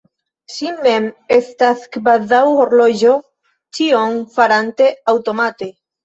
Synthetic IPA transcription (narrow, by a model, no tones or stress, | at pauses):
simːemest̪aθkbaðawoɾloʒo | t͡ʃioŋfaɾant̪eawt̪omat̪e